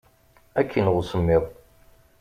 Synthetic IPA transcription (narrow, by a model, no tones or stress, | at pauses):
ækʰːənʁʊsəmːɪðˤ